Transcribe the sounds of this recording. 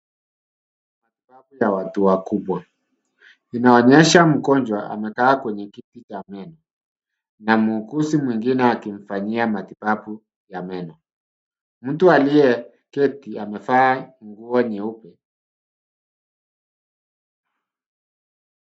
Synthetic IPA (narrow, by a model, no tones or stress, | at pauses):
matibapujawatuwakuɓwa | inaɔɲɛʃam̩kɔnd͡ʒwaʔa̰mɛkaːkwɛɲɛkitit͡ʃamɛnɔ | namuukusimwiŋɡinɛakiɱ̩faɲiamatibapu | jamɛnɔ | m̩tualijɛ | kɛtiamɛfaːŋɡuɔɲiupɛ